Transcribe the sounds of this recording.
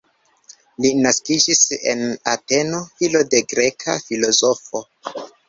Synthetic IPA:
linaskid͡ʒise̞̰nate̞no̞hilo̞de̞ɡɾe̞kʰa̰filo̞zo̞fo̞

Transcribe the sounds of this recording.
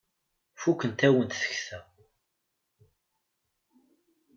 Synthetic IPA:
fukːənt̪æwənt̪θə̥çθæ

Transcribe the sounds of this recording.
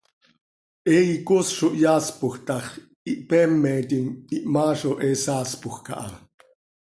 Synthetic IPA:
ʔɛːikosʃoʔjaːspoxt̪ɑχ | iʔpɛːmːɛt̪iŋiʔmaːʃoʔeːsaːspʊxka̰ʔa̰

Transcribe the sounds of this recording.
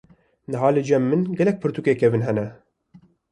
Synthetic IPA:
nɨɦɑːlɨd͡ʒɛmːɨnɡɛlɛk̚pʰɨɾt̪ukeːkʰɛvɨnɦɛnɛ

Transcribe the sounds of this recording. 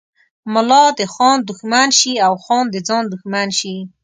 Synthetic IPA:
mʊlɑd̪əxɑnd̪ʊxmanʃiawxɑnd̪əd͡zɑnd̪ʊxmanʃi

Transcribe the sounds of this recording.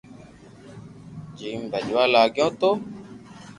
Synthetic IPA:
d͡ʒimbɛd͡ʒalaɡjɔ̃t̪o

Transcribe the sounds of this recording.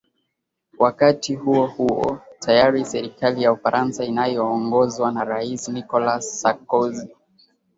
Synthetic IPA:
wakatihuɔhuɔ̰tʰajaɾisɛɾikalijaufaɾʔansainajɔːŋɡɔzwanaɾaisinikɔlasːakɔzi

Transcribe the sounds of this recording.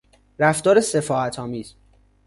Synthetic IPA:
ɾæft̪ɒːɾese̞fɒːæt̪ʰɒːmiːz̥

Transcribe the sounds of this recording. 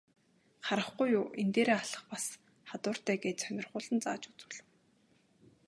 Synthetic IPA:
χaɾə̆χɡujʊːent̪eːɾeːaɮə̆χpas | χat̪ʊːr̥t̪æːɡeːt̪sœnʲɪ̆rʁʊːɮə̆nt͡sa̰ːt͡ɕu̥t͡sɘ̆ɮɘ̆w

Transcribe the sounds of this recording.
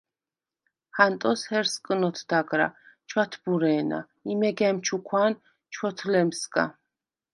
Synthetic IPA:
hant̪ʼɔshɛɾskʼnɔt̪ʰd̪̥aɡɾa̰t͡ʃʰwat̪ʰbuɾɛːna̰ | imɛɡɛmt͡ʃʰukʰwan | t͡ʃʰwɔt̪ʰlɛmskʼa̰

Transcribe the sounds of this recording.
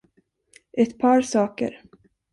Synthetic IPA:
ʔɛt̪pʰɑːɾsɑːkə̰ɾ

